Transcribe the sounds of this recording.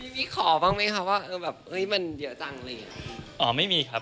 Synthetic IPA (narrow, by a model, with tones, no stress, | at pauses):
ja˧ŋmiː˦˥kʰɔː˩˦baː˥˩ŋma˦˥kʰa˦˥p̚waː˥˩ʔɤː˧bɛː˨˩p̚hɤ˦˥jma˧ndi˨˩˦t͡ɕa˧ŋlɤː˧˩ja˨˩˧ʔɔː˨˩˦ma˥˩jmiː˧kʰa˦˥p̚